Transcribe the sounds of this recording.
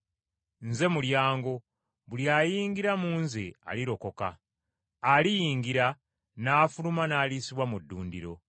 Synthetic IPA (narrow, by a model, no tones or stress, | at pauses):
nze̞muljaːŋɡo̞ | βuljaːjiːŋɡiɾamuːnzea̰liɾo̞ko̞ka̰ː | lijiːŋɡiɾa | naːfulumanaːlisiβwamudːuːndiɾo̞